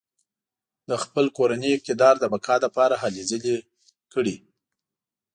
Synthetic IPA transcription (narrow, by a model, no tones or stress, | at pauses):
d̪əxpəlkoɾanəjɪk̚t̪ɪd̪ɑɾd̪əbakʰɑd̪apɑɾaɦalizəle | kəɽi